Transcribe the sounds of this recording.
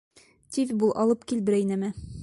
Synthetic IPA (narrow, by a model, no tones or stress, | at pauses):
t̪ivʲbulˠʔɒlˠɤpkilbɘɾæjinɘmɘ